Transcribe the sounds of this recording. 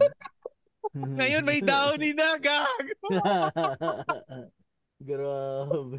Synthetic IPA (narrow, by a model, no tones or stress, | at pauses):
ŋɐjonmɐjnd̪aːʔoniːnaɡaɡ | ɡɾab